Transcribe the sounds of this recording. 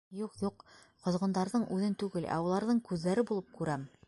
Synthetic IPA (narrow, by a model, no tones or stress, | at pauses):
juqjuq | qŏzʁɤ̆nd̪ɑɾðɤɴʉðɘnt̪ʉɡɘlʔæ̰wɤ̆lˠɑɾðɤɴkʉðlæɾɘbulˠɤp̚kʉɾæm